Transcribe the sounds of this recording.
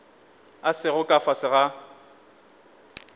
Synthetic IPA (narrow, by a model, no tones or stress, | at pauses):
asɪɣʊkʼafasɪɣa